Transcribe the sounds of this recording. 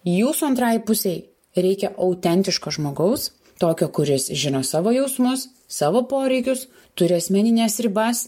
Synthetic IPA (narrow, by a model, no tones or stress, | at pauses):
juːsuɐnt̪ɾɑjpʊsʲɛɪ | ɾʲɛɪkʲɛʔɐʊt̪ʲɛnʲt̪ʲɪʃkoːʒmoːɡɐʊs | t̪oːkʲoːkʊɾʲɪsʒʲɪnoːsɑːʋoːjɛʊsmʊs | sɑːʋoːpoːɾʲɛɪkʲʊs | t̪ʊɾʲɪɐsʲmʲɛnʲɪnʲɛːsɾʲɪbɐs